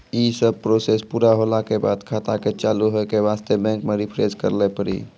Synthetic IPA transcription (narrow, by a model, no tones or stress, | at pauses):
jiːsəb̚pɾoːsespuːɾaɦoːlakeba̰ːd̪kʰaːt̪aket͡ʃaːluɦokeʋaːst̪ebɛ̃ːŋkmeɾipʰɾeskə̰ɾlepəɾḭː